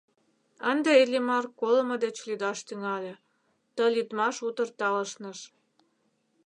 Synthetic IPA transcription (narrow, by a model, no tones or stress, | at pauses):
ənd̪ĕelʲimɑrkolə̆mɤ̆d̪et͡ɕlyd̪ɑʃt̪yŋɑlʲĕ | t̪əlʲit̪mɑʃut̪ə̆rt̪ɑlə̆ʃnə̆ʃ